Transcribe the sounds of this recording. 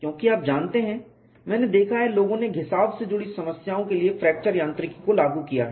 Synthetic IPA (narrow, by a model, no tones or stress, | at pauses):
kjõːkiaːp̚d͡ʒaːnt̪eɦɛ̃ | mɛ̃ːned̪eːkʰaɦɛloːɡõneɡʱɪsaːbsed͡ʒʊɽisɐməsjaːõkeliefɾɛːk̚t͡ʃəɾjãːnt̪ɾɪkikolaːɡukija̰ɦɛ